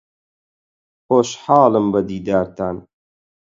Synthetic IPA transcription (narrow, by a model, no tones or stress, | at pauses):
hoːʃħɑːlɨmbɐd̪iːd̪aːɾt̪aːn